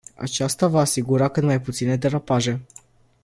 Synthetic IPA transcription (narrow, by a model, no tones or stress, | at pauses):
a̰t͡ʃast̪avaːsiɡuɾakɨt̪majput̪sine̞d̪eɾapaʒe̞